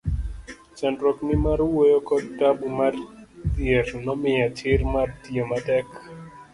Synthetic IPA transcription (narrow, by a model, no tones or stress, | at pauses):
t͡ʃɛndɾɔknɪmaɾʊwojokɔdabumartjernɔmɪat͡ʃɪrmartjematɛk